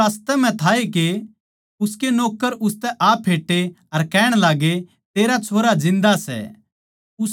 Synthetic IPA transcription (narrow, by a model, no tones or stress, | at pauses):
aːst̪ɛm̤ɛ̃t̪ʰaːeke | ʊskenoːkːəɾʊst̪ɛʔaːpʰːeːʈːe | ɐɾkɛːɽ̃laːɡe | t̪eːɾat͡ʃʰoːɾad͡zɪ̃nd̪asɛ̰ | ʊs